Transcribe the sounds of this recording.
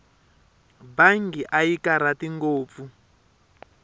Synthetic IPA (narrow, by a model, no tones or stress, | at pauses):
baŋɡiʔaikaɾatiŋɡoːp̪fu